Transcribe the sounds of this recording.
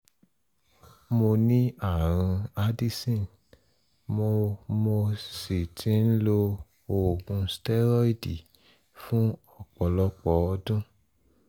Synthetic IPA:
mo˧nĩ˦a˦˨ɾ̃ũ˧a˦di˦sĩ˦˨n | mo˧mo˧si˨tʰĩ˨˦n̩˦lo˧ | o˨ɡũ˧stɛ˦ɾɔ˦i˦di˨ | fũ˦ɔ˦˨k͡pɔ˨lɔ˧k͡pɔ˨ɔ˧dũ˦

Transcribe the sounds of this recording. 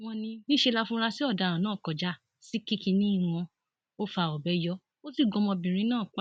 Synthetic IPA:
w̃ɔ̃˧nĩ˧nĩ˦ʃe˧la˧fũ˧˦ɾa˧si˦ɔ˦˨da˨˧˨ɾã˨nãː˦˨kɔ˨d͡ʒa˨˦ | si˦ki˦kĩ˧nĩ˦i˦˨w̃ɔ̃˧ | o˦fa˧˨ɔ˨bɛ˨˦jɔ˦ | o˦si˦˨ɡɔ̃˨˧mɔ̃˧bĩ˨ɾ̃ĩ˧˦nãː˦˨k͡pa˦

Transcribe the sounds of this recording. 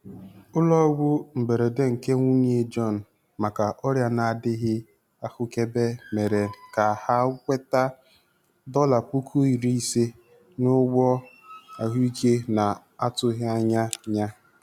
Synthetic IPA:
ʊ˦lɔ˦ɡʷʊ˦m̩˨be˨ɾe˨de˦ŋ̩˨ke˦ŋʷu˦m˦e˦d͡ʒɔ˦˨n̩˨ | ma˨ka˨ʔɔ˦ɾja˦na˨dɪ˦ɦɪ˦ | a˦fʊ˦ke˦be˦me˨ɾe˨ka˨ha˦kʷe˦ta˦ | dɔ˦la˨k͡pu˦kʰu˦i˨ɾi˦i˦se˦ | nʊ˦ɡ͡bɔ˦ | a˨ɦu˦i˦ke˦na˨ | a˦tʊ˦ɦɪ˦a˦ɲa˦ɲa˦

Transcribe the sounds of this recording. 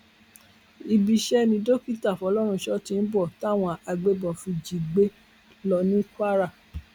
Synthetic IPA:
i˧bi˧ʃɛ˦mĩ˧do˦ki˦ta˦˨fɔ˧˦lɔ˦ɾ̃ũ˧˦ʃɔ˦tĩ˧n̩˦bɔ˦˨ta˦˨w̃ɔ̃˧a˧ɡ͡be˦bɔ˨fi˧d͡ʒi˨ɡ͡be˨˦ | lɔ˧˦nĩ˦ka˦ɾa˦˨

